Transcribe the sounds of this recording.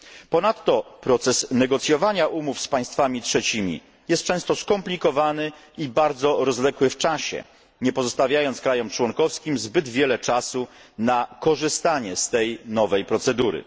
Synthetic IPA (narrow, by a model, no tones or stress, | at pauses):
pɔnat̪ːɔpɾɔt̪sɛsnɛɡɔt̪sʲjɔvaɲaʔumufspaj̃st̪famʲitʂɛt͡ɕimʲḭ | jɛst̪̚t͡ʂɛ̃st̪ɔskɔmplʲikɔvanɘ | ibaɾd̪zɔɾɔzlɛkwɘft͡ʂaɕɛ̰ | ɲɛpɔzɔst̪avʲjajɔnt̪skɾajɔmt͡ʂwɔnkɔfskʲimzbɘd̪vʲjɛlɛt͡ʂasunakɔʐɘst̪aɲɛst̪ɛjnɔvɛjpɾɔt̪sɛd̪uɾɘ̰